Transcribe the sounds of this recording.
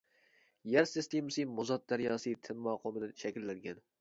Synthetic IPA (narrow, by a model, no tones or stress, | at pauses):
jaɾsɪst̪emsimʊzɑt̪̚d̪aɾjɒsɨt̪ʰɪnmɑqʰomɨd̪aʃækʲɪlːaŋɡʲan